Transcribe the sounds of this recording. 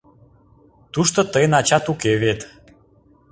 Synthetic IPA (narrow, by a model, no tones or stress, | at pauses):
t̪uʃt̪ot̪əjnɑt͡ɕɑt̪ukeβet̪